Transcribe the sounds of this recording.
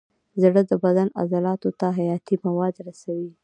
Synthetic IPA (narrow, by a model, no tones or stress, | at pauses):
zɽəd̪əbad̪ana̰zalɑt̪ot̪aɦajɑt̪imawɑd̪ɾasawi